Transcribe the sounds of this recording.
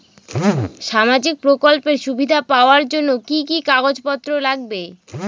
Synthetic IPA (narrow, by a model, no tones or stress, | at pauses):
ʃamad͡ʑik̚pɾokolpeɾʃubʱid̪ʱapaoaɾd͡ʑonːokikikaɡod͡ʑpɔt̪ːɾolaɡ̚be